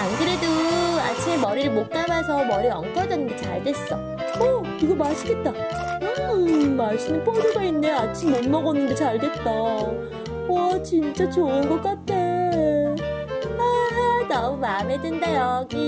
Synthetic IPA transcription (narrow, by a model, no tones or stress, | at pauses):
anɡɯɾe̞dua̰t͡ɕʰimemʌɾiɾɯɭmok̚k͈amasʰʌmʌɾiɾʌŋkʰʌd͡ʑʌnːɯndet͡ɕa̰ɭdwe̞s͈ʌ | ʌ | iɡʌmaɕʰiɡe̞t̚t͈a | ɯmaɭs͈ɯmɯnpʰodɯɡainːeat͡ɕʰimːonmʌɣʌnːɯndet͡ɕaɭdwe̞t̚t͈a | wʌt͡ɕint͡ɕ͈at͡ɕoɯnɡʌk͈atʰːe | aanʌmumamedwendajʌɡi